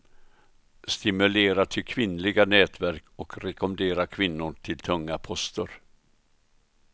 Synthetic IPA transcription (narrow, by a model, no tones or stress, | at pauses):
st̪ɪmɵleːɾat̪ʰɪlkʰvɪnlɪɡanɛːt̪væɾkɔkɾɛkɔmnd̪eːɾakʰvɪnːʊʈʰɪlt̪ʰɵŋːapʰɔst̪əɾ